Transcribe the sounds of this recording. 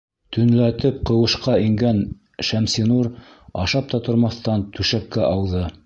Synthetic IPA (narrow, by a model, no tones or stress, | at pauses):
t̪ɵ̆nlæt̪ɘp̚qɤ̆wɤ̆ʃqɑiŋɡæn | ʃæmsinuɾ | ɑʃɑp̚t̪ɑt̪ŏɾmɑθt̪ɑnt̪ʉʃæk̚kæʔɑwðɤ